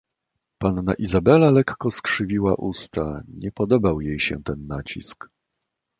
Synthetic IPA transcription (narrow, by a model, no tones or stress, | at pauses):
panːa̰ʔizabɛlalɛkːɔskʂɘvʲiwaʔust̪aɲɛpɔd̪ɔbawjejɕɛ̰t̪ɛnːat͡ɕḭsk